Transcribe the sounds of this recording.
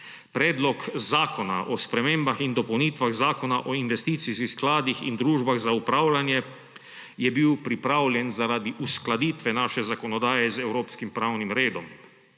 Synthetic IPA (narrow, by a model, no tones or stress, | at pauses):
pɾɛːd̪lɔkzaːkɔna̰ʔɔspɾɛmeːmbaxind̪ɔpɔwniːt̪ʋaɣzaːkɔnaʔɔinʋɛst̪iːt̪siskisklaːd̪ixḭnd̪ɾuːʒbaɣzaupɾaːwlanjɛ | jɛbiwpɾipɾaːwlʲjɛnzaɾad̪iʔusklad̪iːt̪ʋɛnaːʃɛzakɔnɔd̪aːjɛzɛwɾoːpskimpɾawnimɾeːd̪ɔm